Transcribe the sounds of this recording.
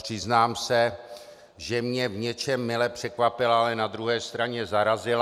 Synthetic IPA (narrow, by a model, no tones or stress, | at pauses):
pr̝̥ɪznaːmsɛ | ʒɛmɲɛvɲɛt͡ʃɛmːɪlɛpr̝̥ɛkvapɪlaalɛnad̪ɾuɦɛːst̪ɾaɲɛzaɾazɪl